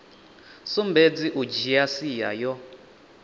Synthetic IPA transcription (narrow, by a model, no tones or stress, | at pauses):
sumbed͡ziʔud͡ʒiasijajɔ